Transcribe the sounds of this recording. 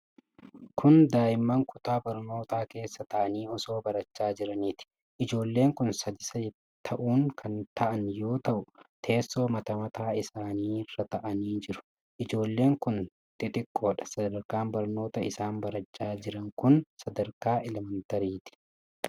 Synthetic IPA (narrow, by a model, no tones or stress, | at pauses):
kʰʊnd̪aːjɪmːɐŋkʰʊt̪aːbɐɾno̞ːt̪aːke̞ːsːɐt̪ɐʔɐniːɔso̞ːbɐɾɐt͡ʃːaːd͡ʒɪɾɐnit̪ɪ̥ | ʔɪd͡ʒo̞ːlːe̞ːŋkʊnsɐd̪ɪsɐ | t̪ʰɐʔuːŋkʰɐnt̪ʰɐʔɐnjo̞ːt̪ɐʔʊt̪ʰe̞ːsːo̞ːmɐt̪ɐmɐt̪aːɪsaːniːrːɐt̪ɐʔɐniːd͡ʒɪɾʊ̥ | ʔɪd͡ʒo̞ːlːe̞ːŋkʊn | t̪ʼɪt̪ɪkʼːo̞ːᶑɐ̥sɐd̪ɐɾkaːmbɐɾno̞ːt̪ɐɪsaːnbɐɾɐt͡ʃʼːaːd͡ʒɪɾɐŋkʊnsɐd̪ɐɾkaːʔɛlɛmɛnt̪ɐɾiːt̪ɪ̥